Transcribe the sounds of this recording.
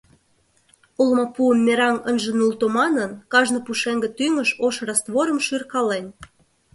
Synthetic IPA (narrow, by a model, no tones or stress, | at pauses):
ulmɑpuəmːeɾɑŋənʒĕnult̪omɑnənkɑʒnopuʃeŋɡə̆t̪yŋə̆ʃoʃrɑst̪βoɾə̆mʃyrkɑlen